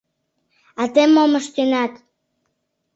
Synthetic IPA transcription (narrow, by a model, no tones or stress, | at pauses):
at̪emːoməʃt̪ynɑt̪